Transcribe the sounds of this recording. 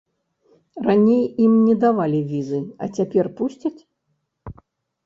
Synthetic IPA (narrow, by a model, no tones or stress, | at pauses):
ranʲejimnʲɛd̪avalʲivʲizɨɐ̰t͡sʲapʲɛrpusʲt͡sʲɐt͡sʲ